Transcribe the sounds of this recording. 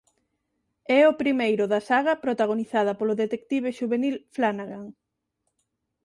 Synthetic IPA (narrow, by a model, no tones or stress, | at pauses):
ɛʊpɾimejɾʊðɐsaɣɐpɾot̪aɣ̞oniθað̞ɐpolʊðet̪ek̚t̪iβ̞eʃuβenilflanaɣaŋ